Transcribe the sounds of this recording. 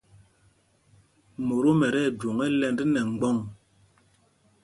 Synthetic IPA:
mo˨ɾo˦mɛ˨ɾɛ˦˨d͡ʒo˨ŋɛ˦lɛ˦ndi˦nɛ˨ŋ̩˦ɡ͡bɔ˦˨ŋ

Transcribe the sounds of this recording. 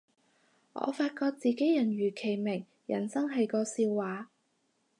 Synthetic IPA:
ŋɔ̰ː˨˧faː˧t̚kɔː˧k̚t͡siː˨˧ke˨˥jɐ˨˩nɥyː˨˩kʰe˨˩jmɪ˨˩ŋ | jɐ̰˨˩nsɐ˥ŋɦɐ˨jkɔː˧siː˧wwaː˨˧

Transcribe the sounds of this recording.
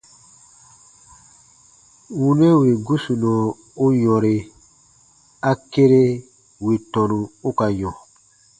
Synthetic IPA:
wu˨ne˦wi˨ɡu˦su˨nɔ̃˨ | o˦jɔ̃˨ɾe˨ | a˦ke˦ɾe˦ | wi˨tɔ˨nũ˨o˦ka˨ɲɔ̃˨

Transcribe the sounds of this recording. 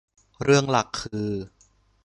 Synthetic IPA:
ɾɯ˥˩əŋla˨˩kʰːɯː˧

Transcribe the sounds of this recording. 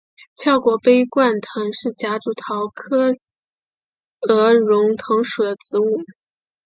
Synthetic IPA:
t͡ɕʰjɑ˥˩ʊkwɔ˨˩pe˥ɪkwa˥˩nt̪ʰɤ˧˥ŋʂɻ̩˥˩t͡ɕja˧˥ʈ͡ʂu˧˥˩t̪ʰɑ˧˥ʊkʰɤ˥ | ɤ˧˥ɻʊ˧˥ŋt̪ʰɤ˧˥ŋʂu˨˩d̪ə˦t͡sɹ̩˧˥u˥˩

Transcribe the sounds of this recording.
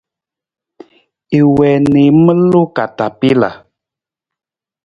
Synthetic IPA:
e˨wɛ˨ne˨˦mə˦lo˦ka˨ta˨pi˦la̰˨

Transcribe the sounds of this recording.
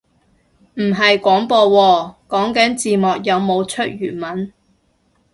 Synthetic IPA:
m̩˨˩ɦɐ˨jkʷɔː˨˥ŋpɔː˧wɔː˧kɔː˨˥ŋkɐ˨˥nt͡siː˨˧mɔː˨k̚jɐ˨˧wmo˨˧wt͡ʃʰɵ˥t̚jyː˨˩nmɐ˨˥n

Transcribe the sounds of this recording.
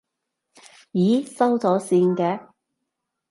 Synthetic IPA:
jiː˨˥sɐ˥wt͡sɔː˨˥siː˧nkɛː˧

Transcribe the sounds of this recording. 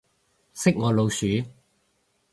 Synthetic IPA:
sɪ˥k̚ŋɔː˨˧lo˨˧wsyː˨˥

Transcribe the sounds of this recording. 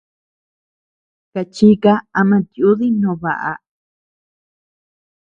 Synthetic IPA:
ka˧t͡ʃi˦ka˦a˧mã˧t̪ju˦ði˦nõ˧˨βa˨ʔa̰˧

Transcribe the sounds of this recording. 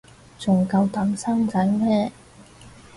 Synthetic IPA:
t͡sʊ˨˩ŋkɐ˧wt̪ɐ˨˥msɐ˥ŋt͡sɐ˨˥ŋmɛː˥

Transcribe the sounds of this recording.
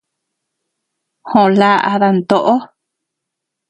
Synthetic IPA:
hõ˧˨la˦ʔa̰˧ða˧nt̪o˧ʔo˦

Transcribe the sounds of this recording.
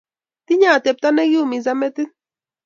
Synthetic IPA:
t̪iɲaː˦˨t̪ɛ˨p̚t̪ane˦ɡi˦u˨mizamɛ˦t̪ɨ˦

